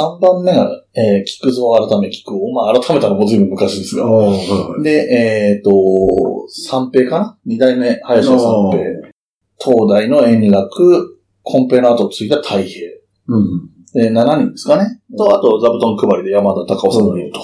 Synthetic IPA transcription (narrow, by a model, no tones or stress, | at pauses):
sãmbãmːe̞ɡaeːkʲi̥kɯ̟zo̞ːaɾat̪ame̞kʲi̥kɯ̟omaːɾat̪ʰame̞t̪anomod͡zɨibɯ̟mːɯ̟kaɕĩːd̪esɨɡa̰ | d̪e̞ʔet̪o̞ | sãmpe̞ːkanaɲ̟id̪aime̞hajaɕãmpe̞ː | t̪ʰo̞ːd̪aino̞ẽ̞nɾakɯ̟ | kʰõ̞mpe̞naːt̪ot͡sɨit̪at̪ʰaihe̞ː | d̪enanaɲ̟ĩnd̪esɨ̥kanet̪oat̪o̞zabɯ̟t̪õŋkɯ̟baɾʲid̪e̞jamad̪at̪akaosanɲʲiɯ̟t̪o̥